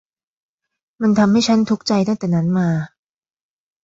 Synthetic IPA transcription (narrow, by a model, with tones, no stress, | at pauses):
ma˧nt̪ʰa˧mha˥˩jt͡ɕʰa˦˥nt̪ʰu˦˥k̚t͡ɕa˧jt̪a˥˩t̪ɛː˨˩na˦˥nmaː˧